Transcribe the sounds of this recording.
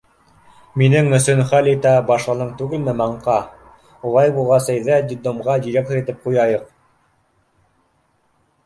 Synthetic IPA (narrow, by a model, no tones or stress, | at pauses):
minɘŋɵ̆sɵnχælit̪æbɑʃlˠɤ̆nɤɴt̪ʉɡɘlmɘmɑɴqɑ | ulˠɑjbulˠʁɑsæjðæd̪ʲid̪omʁɑd̪iɾʲek̚t̪ŏɾit̪ɘp̚qujɑjɤq